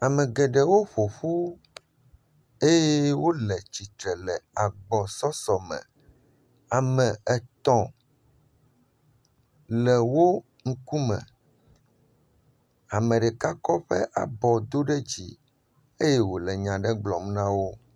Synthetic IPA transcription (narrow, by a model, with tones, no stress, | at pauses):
a˨mɛ̃˨ɡɛ˨ɖɛ˦wo˦ɸo˨ɸu˦ | e˦jɛ˦wo˦lɛ˨t͡ɕi˨t̪ɾɛ˨lɛ˨a˨ɡ͡bɔ˨sɔ˦sɔ˨mɛ̰̃˨ | a˨mɛ̃˨ɛ˨t̪ɔ̃˨ | lɛ˨wo˦ | ŋ̩˦ku˦mɛ̰̃˨ | a˨mɛ̃˨ɖɛ˨ka˦kɔ˦ɸɛ̰˦ʔa̰˨bɔ˨d̪o˦ɖɛ˦d͡ʑḭ˨ | e˦jɛ˦wo˨lɛ˨ɲã˨ɖɛ˦ɡ͡blɔ˨mnã˦wo˦